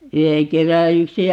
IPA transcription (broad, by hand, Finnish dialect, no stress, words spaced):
yheŋ kerːɑ yksi